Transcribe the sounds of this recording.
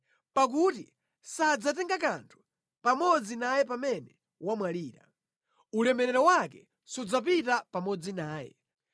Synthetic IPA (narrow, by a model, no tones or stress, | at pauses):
pak̬uti | sad͡zatɛŋɡak̬antʰu̥ | pamɔd͡zinajɛpamɛnɛ | wamwaliːɾa̰ | ulɛmɛɾɛɾɔwakɛ | sud͡zap̬itapamɔd͡zinaːjɛ̰